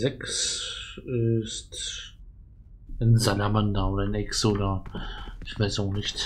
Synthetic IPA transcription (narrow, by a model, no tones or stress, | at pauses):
zɛks | ɪst | ənzalamandaoːdɐnɛksoːdɐ | ɪçv̥aɪsaxnɪçt